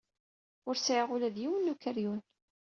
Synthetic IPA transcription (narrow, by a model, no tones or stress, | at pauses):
ʊɾsʕiʁʊlæðjiwənːukəɾjun